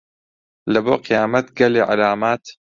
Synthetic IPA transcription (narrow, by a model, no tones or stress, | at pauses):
lɐboːqʰɪjaːmɐt̪ɡɐleʕa̰laːmaːt̪